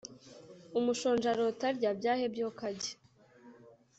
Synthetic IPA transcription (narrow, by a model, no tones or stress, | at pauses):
umuʃoːnʒaɾotaɾɟabɟaːhebjokaɟe̥